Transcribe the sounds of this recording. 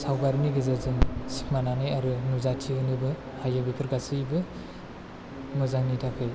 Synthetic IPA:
sawbaɾniɡɯzazɯŋsi̥kmananɯjaɾɯnuzatʰiɯnɯbɯ | hajabipʰɯɾɡasɯjbɯ | nɔzaŋnitʰakʰɯj

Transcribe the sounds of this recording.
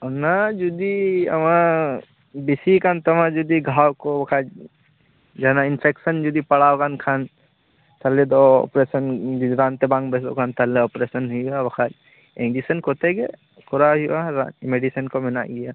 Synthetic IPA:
onad͡ʒud̪iɐmã | bisikaːnt̪ɐmãd͡ʒud̪iɡʱaːwkobɐkʰa | d͡ʒɐnaɪnpʰeːksənd͡ʒud̪ipɐɽaːokaːnkʰaːn | t̪ʰɐled̪oɔ̰pɾeːsənɾãːnt̪ebãːŋɡbeso̰kaːnt̪ɐleɔːpɾesənɦuabɐkʰaːd͡ʒ | ẽŋd͡ʒisənkot̪eɡe | kʊɾaɦiwaɾa̰meɖisənkomɪna̰ːɡija

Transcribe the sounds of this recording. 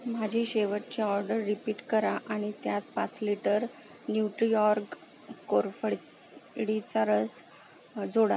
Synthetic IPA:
m̤ad͡ʑʱiːɕeʋəʈ̚t͡ɕiɔɾɖəɾːipiːʈkəɾaʔaɽ̃it̪jat̪̚pat͡sliʈəɾ | njuʈɾijɔɾk | koɾfəɭ | ɽit͡saɾəs | d͡zoɽa̰

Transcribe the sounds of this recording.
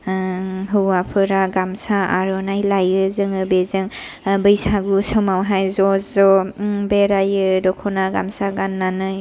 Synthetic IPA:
ɦɯwapʰɯɾaɡamsaa̰ɾɔnajlajɯzɯŋɯbezɯŋ | bɯjsaɡusɔmawɦajzɔzɔbeɾajɯdɔkʰɔnaɡamsaɡanːanɯ

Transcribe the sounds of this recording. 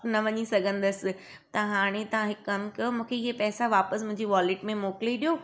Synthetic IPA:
nɐʋɐɲisɐɡʱə̃nd̪əsɪ̆ | t̪ɐɦaːɽ̃et̪ɐʋãɦɪkɐmkɐmũːkʰeɪɦepɛːsaʋaːpəsmʊ̃ɦɪ̃ɲd͡ʑiʋaːlɪʈmẽmoːkliɗijoː

